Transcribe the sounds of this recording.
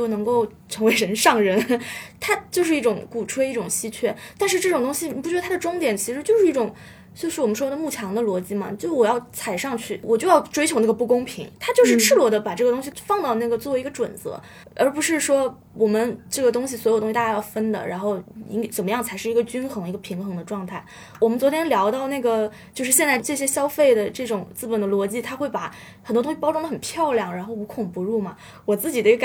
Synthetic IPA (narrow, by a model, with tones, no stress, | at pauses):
jo˥˩ʊnɤ˧˥ŋko˥˩ʊ | ʈ͡ʂʰɤ˧˥ŋwe˧˥ɪɻə˧˥nʂɑ˥˩ŋɻə˧˥nt̪ʰa˥t͡ɕjo˥˧ʊʂɻ̩˥˧i˥˩ʈ͡ʂʊ˧˥ŋku˨˩ʈ͡ʂʰwe˥ɪi˥˩ʈ͡ʂʊ˨˩ŋɕi˥t͡ɕʰɥɛ˥˩t̪a˥˧nʂɻ̩˥˧ʈ͡ʂɤ˥˩ʈ͡ʂʊ˨˩ŋt̪̬ʊ˥ŋɕi˨ni˨˩pu˥˩t͡ɕɥɛ˧˥ə˧t̪ʰa˥d̪ə˩ʈ͡ʂʊ˥ŋt̪jɛ˨˩nt͡ɕʰi˧˥ʂɻ̩˧˥t͡ɕjo˥˧ʊʂɻ̩˥˧˥i˥˩ʈ͡ʂʊ˨˩ŋ | t͡ɕjo˥˧ʊʂ̩˩ɔ˨˩mə˦nʂwɔ˥d̪ə˧mu˥˩t͡ɕʰjɑ˧˥ŋd̪ə˧lwɔ˧˥t͡ɕi˧˥mɐ̰˨˩t͡ɕjo˥˧ʂwɔ˨˩jɑ˥˩ʊt͡sʰa˨˩ɪʂɑ˥˧ŋt͡ɕʰy˥˩wɔ˨˩t͡ɕjo˥˧ʊjɑ˥˩ʊʈ͡ʂwe˥ɪt͡ɕʰo˧˥ʊna˥˩ɡə˩pu˥˩kʊ˥ŋpʰḭ˧˥ŋt̪ʰa˥t͡ɕjo˥˧ʊʂɻ̩˥˩ʈ͡ʂʰɻ̩˥˩lwɔ˧˥d̪ə˧pa˨˩ʈ͡ʂɤ˥˩ə˩t̪ʊ˥ŋɕ̬i˨˩fɑ˥˧ŋt̪ɑ˥˧ʊna˥˩ɡə˩t͡swɔ˥˩e˧˥ɪ˧˥ə˧ʈ͡ʂwə̰˨˩nt͡sɤ̰˧˥ | ə˞˧˥pu˧˥ʂɻ̩˥˩ʂwɔ˥ | wɔ˨˩mə˦nʈ͡ʂɤ˥˩ɡə˩t̪ʊ˥ŋɕ̬i˨swɔ˧˥jo˨˩t̪ʊ˥ŋɕt̪a˥t͡ɕa˥˧jɑ˥˩ʊfə˥nd̪ə̰˨ɻa˧˥nxo˥˩ʊḭ˥ŋ˥t͡sə˨˩nmə˦jɑ˥˩ŋt͡sʰa˧˥ɪʂɻ̩˥˩i˧˥ɡə˧t͡ɕy˥nxɤ˧˥ŋ˧i˧˥ɡə˧pʰi˧˥ŋxɤ˧˥ŋd̪ə˧ʈ͡ʂwɑ˥˧ŋt̪ʰa˥˩ɪ | wɔ˨˩mə˦nt͡swɔ˧˥t̪ʰjɛ˥nljɑ˧˥ʊt̪ɑ˥˧ʊna˥˩ɡə˩ | t͡ɕjo˥˧ʊʂɻ̩˥˩ɕjɛ˧nt͡sa˥˧ɪʈ͡ʂɤ˥˩ɕjɛ˥ɕjɑ˥ʊfe˥˩ɪd̪ə˩ʈ͡ʂɤ˥˩ʈ͡ʂʊ˨˩ŋt͡sɹ̩˥˩pə˨˩nd̪ə˦lwɔ˧˥t͡ɕi˥˩t̪ʰa˥xwe˥˩ɪpa˧˩˦ | xə˨˩nt̪wɔ˥t̪ʊ˥ɕi˧˩pɑ˥ʊʈ͡ʂʊ˥ŋd̪ə˧xə˨˩npʰjɑ˥˧ʊljɑ˥˩ŋɻa˧˥nxo˥˩ʊu˧˥kʰʊ˨˩ŋpu˧˥ɻu˥˩mɐ˩ | wɔ˨˩t͡sɹ̩˥˩t͡ɕi˨˩ə˧˥i˧ɡə˧˩